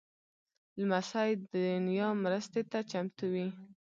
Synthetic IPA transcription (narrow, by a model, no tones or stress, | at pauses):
lmasajd̪əd̪ʊnjɑmɾəst̪et̪at͡ʃamt̪uwi